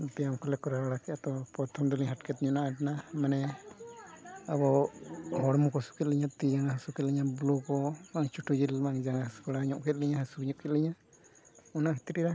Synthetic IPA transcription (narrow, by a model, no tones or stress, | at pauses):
bɛjamkɔlɛkɔɾaaɽakɛat̪ɔpɾɔt̪ʰɔmd̪ɔliɲɦaʈkʰɛt̪̚ɲɔnaʔaʈnamanɛ | abɔɦɔɽmukɔsu̥kʰɛt̪̚lɛɲat̪id͡ʒaŋaɦasukɛt̪lɛɲablɔkɔmaŋt͡ʃuʈʰud͡ʒilmaŋd͡ʒaŋahasu̥kɔɽaɲɔʔkʰɛt̪̚lɛɲaɦasukɲɔʔkʰɛt̪̚lɛɲa | ɔnaɦi̥t̪iʈiɾa